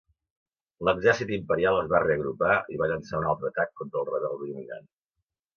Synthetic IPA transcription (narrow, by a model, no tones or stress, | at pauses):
ləɡzɛrsit̪impəɾialˠəzβareəɣɾupaiβaʎənsaunalˠt̪ɾəːt̪akːɔnt̪ɾəlˠrəβɛlˠd̪imina̰n